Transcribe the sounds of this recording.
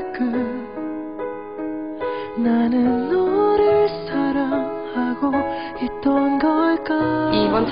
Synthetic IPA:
k͈ɯ | nanɯnːʌɾɯɭsʰaɾam | haɡo | it͈ːʌnɡʌɭk͈aiʌn

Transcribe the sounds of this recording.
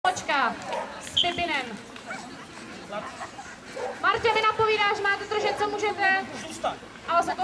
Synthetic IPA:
ot͡ʃkaspɪpɪnɛm | maɾcʲɪmɪnapoviːdaːʒɛmaːt̪ɛd̪r̩ʒɛt̪̚t͡somuːʒɛt̪ɛzuːst̪at̪ | ʔalɛsɛt̪o

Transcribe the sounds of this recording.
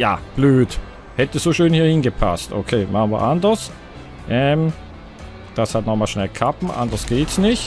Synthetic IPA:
ja̰ːb̥løːt | hɛtəz̥oːʃøːnhiːɐhɪnɡəpʰa̰stʔo̰kʰeːmʔaχnviɐʔandɐs | ʔɛːm | d̥ashatnɔχmaːlʃnɛlkʰapn̩ʔa̰ndɐsɡ̥eːtsnɪçt

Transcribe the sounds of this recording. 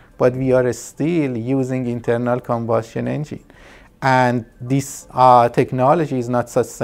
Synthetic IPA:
b̥ʌʈʋiːaɾstiljuːzɪ̃ŋɡɪ̃ntʰəɾnəlkʰə̃mbʌsʈə̃nḛ̃nd͡ʒḭ̃n | ʔæ̃nɖd̪isʈʰɛknɔləd͡ʒiɪznətsʌt͡ʃs

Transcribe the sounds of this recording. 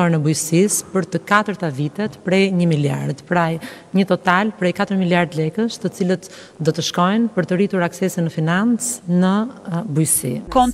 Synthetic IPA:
ɔɾnəbujsispəɾt̪əkat̪əɾt̪avit̪ɛt̪pɾɛjɲəmilja̰ɾd̪pɾaj | ɲət̪ɔt̪alpɾɛjkat̪əɾmiljaɾd̪lɛkəst̪ət͡silət̪ | d̪ɔt̪əʃkɔjnpəɾt̪ərit̪uɾaksɛsinəfinant͡snəbujsikɔn

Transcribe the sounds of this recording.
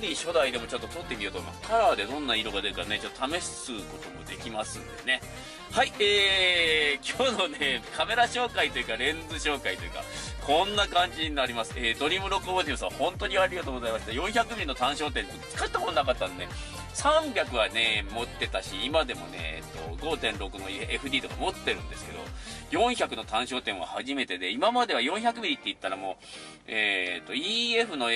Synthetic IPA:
ɲʲiɕo̞d̪aid̪e̞mo̞t͡ɕo̞t̪ːot̪o̞t̪ːe̞mʲiot̪oma̰kʰaɾaːd̪e̞d̪õ̞nːaiɾo̞ɡad̪eɾɯ̟kaɾanet͡ɕo̞t̪ːot̪ame̞ɕsɨːko̞t̪o̞mo̞̰d̪e̞kʲimasɨ̰̃nd̪esne̞ | haieː | kʲoːno̞ne̞kʰame̞ɾaɕo̞ːkait̪o̞jɯ̟kaɾẽ̞nd͡zɨɕo̞ːkait̪o̞jɯ̟ka̰kʰõ̞nːakãɲ̟d͡ʑiɲinaɾʲimasɨ̥eːd̪o̞ɾʲimɯ̟ɾo̞kːɯoːd̪ʲɯ̃sɨβahõ̞nt̪o̞ɲ̟iaɾʲiɡat̪oːɡozaimaɕi̥t̪ajõ̞ɰ̃çʲakɯ̟mʲĩnːo̞t̪ãɰ̃ɕo̞ːt̪̬ẽ̞nt̪t͡sɨ̥kat̪ːamononakat̪ːãnd̪ḛ | sãmbʲakɯ̟βane̞mo̞t̪ːe̞t̪aɕiːmad̪e̞mo̞̰ne̞̰ḛt̪ːo̞̰ɡo̞ːt̪ẽ̞nɾo̞kɯ̟no̞eɸɯ̟d̪ʲiːt̪o̞kamo̞t̪ːe̞ɾɯ̟̃nd̪e̞sɨ̥ke̞d̪o̞̰jõ̞ɰ̃çakɯ̟no̞t̪ãɰ̃ɕo̞ːt̪ẽ̞ɰ̃βa̰haʑime̞t̪e̞d̪e̞imamad̪e̞β̞ajõ̞ɰ̃çʲak̬ɯ̟mʲiɾʲit̪ːe̞it̪ːaɾamo̞ | eːt̪ːo̞iːeɸɯ̟no̞

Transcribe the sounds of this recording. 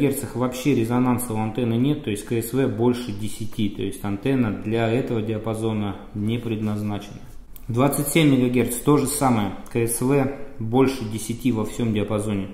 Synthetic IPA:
ɡʲe̞rt̪səxvɐpɕːeɾʲɪzɐnant̪səɐnt̪ɛnːɨnʲe̞t̪ːo̞ɪsʲtʲkəsvɛbo̞lʲʂɨdʲɪsʲɪtʲit̪o̞̰ɪsʲtʲɐnt̪ɛnːəd̪lʲɐɛt̪əvədʲɪɐpɐzo̞nə | nʲepɾʲɪd̪nɐznat͡ɕɪnə | d̪vat̪sɨtʲsʲemʲːɪɡɐɡʲe̞rt̪st̪o̞ʐɨsaməjəkəɛsvɛbo̞lʲʂɨdʲɪsʲɪtʲivɐfsʲo̞mdʲɪɐpɐzo̞nʲɪ

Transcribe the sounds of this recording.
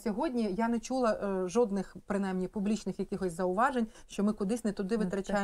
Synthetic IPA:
sʲɔɦɔdʲnʲijanɛt͡ʃulˠɐʒɔd̪nɪxpɾɪnajmnʲipʊblʲit͡ʃnɪxjɐkɪxɔsʲzɐʊʋɑʒenʲʃt͡ʃɔmɪkʊd̪ɪsʲnɛt̪ʊd̪ɪʋɪt̪ɾɐt͡ʃaj

